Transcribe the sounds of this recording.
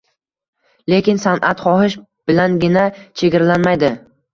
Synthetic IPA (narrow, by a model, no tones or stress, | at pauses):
le̞kʲɪnsanʔat̪χɒhɪʃ | b̥ɪlanɡʲɪnat͡ʃʰe̞ɡʲɾalanmajd̪ɪ